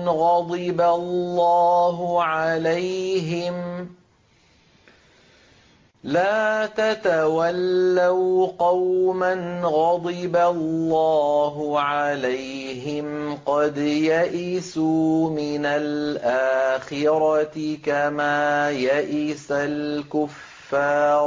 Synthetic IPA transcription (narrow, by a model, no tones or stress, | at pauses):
ɣɑd̪ˤɨbalːɑːɦʊʕalajɦɪm | laːt̪at̪awalːawqɑwmanɣɑd̪ˤɨbalːɑːɦʊʕalaj | ɦɪmqɑd̪jaʔɪsuːmɪnalʔaːxɪɾɑtɪkamaːjaʔɪsalkʊfːɑːɾˤ